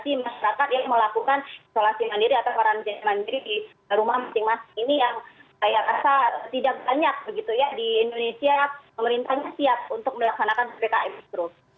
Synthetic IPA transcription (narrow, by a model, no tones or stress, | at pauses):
t̪imaʃaɾakat̪̚jaŋməlakukanisolasimandiɾiat̪apaɾand͡ʒamandiɾidi | ɾumahmasɪŋmasɪ̥ŋinijaŋkajaʔɾasat̪idak̚baɲak̚bəɡit̪ujadiːndonesiapəməɾint̪aɲasiap̚unt̪ʊk̚məlaksanakansəbekaʔɛmit̪ɾʊs